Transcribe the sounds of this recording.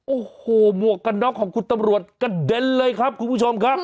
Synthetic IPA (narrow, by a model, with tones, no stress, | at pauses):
ʔoː˨˩hoː˨˩mu˨˩əkːa˧nːɔː˦˥kʰːɔː˩˦ŋkʰu˧˩t̪a˧mɾu˨˩ət̪̚ka˧˩de˧nlɤː˧jkʰa˦˥p̚kʰu˧npʰuː˦˥˩t͡ɕʰo˧mkʰa˦˥p̚